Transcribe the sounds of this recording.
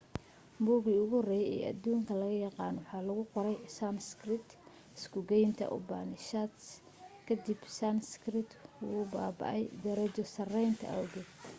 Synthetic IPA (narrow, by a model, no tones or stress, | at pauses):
muːɣiʊɣʊrɛjɛ̰ːɐ̰d̪uːŋkʰɐlɐɣɐjɑqɑːnwɑħɑːlɐɣʊqɔɾɛjsamskrɪt̪ | ɪskʰʊɡɛjnt̪ʰɐ̰ʔʊ̰baːnɪʃat̪s | kʰɐd̪ibsanskrɪt̪ʊʊbaːbɑ̰ʔɛ̰jd̪ɐɾɐt͡ʃɔsɐrɛjnt̪ʰɐ̰ʔɐwɡɛt̪